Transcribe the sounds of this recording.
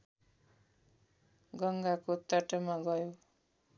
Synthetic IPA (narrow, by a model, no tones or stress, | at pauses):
ɡʌŋɡakot̪ʌʈʌmaɡʌjo